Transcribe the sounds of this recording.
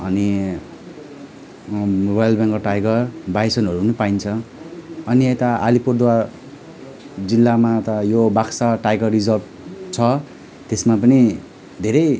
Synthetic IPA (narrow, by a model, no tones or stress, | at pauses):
ʌni | rojʌlbjaŋkoʈajɡʌrbajsʌnɦʌɾuɦunupaint͡sʰʌ | ʌniet̪aʔa̰lipurd̪wa | d͡zilːamat̪ʌjobaksaʈajɡʌrːid͡zʌrb̚ | t͡sʰʌ | t̪esmapʌni | d̪ʱeɾʌj